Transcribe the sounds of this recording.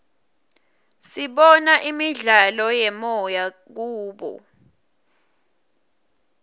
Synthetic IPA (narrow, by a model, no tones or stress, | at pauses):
siɓɔnaʔimiɮalɔjɛmɔja | k̬uːɓɔ̰